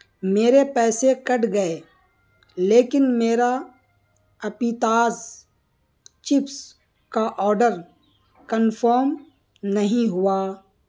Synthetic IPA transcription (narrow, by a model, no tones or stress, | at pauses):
meːɾepɛːsekɐʈɡɐe | leːkɪnmeːɾa | ɐpit̪aːz | t͡ʃɪps | kaʔɔːɾɖəɾ | kənfəːɾm | nɐɦĩɦʊaː